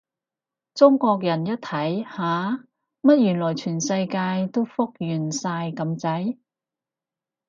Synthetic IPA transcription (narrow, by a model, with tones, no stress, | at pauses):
t͡sʊ˥ŋkʷɔː˧k̚jɐ˨˩njɐ˥t̚t̪ʰɐ˨˥jhaː˨ | mɐ˥t̚jyː˨˩nlɔː˨˩jt͡ʃʰyː˨˩nsɐ˧jkaː˧jt̪o˥wfʊ˥k̚jyː˨˩nsaː˧jkɐ˧mt͡sɐ˨˥j